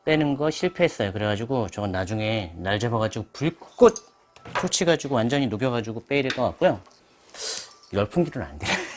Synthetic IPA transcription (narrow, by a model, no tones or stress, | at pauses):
t͈we̞nɯnɡʌɕʰiɭpʰe̞ɦːs͈ʌjokɯɾe̞ɡad͡ʑiɡot͡ɕʌɡanad͡ʑuŋe̞naɭd͡ʑebʌɡad͡ʑiɡopuɭkk͈ot̚ | t͡ɕʰot͡ɕʰiɡad͡ʑuɡowand͡ʑʌɲinoɡjʌɡad͡ʑuɡop͈e̞iɾɯɭk͈ʌk͈ak͈̚ujo | iɾʌɭpʰuŋɡiɾɯna̰ndea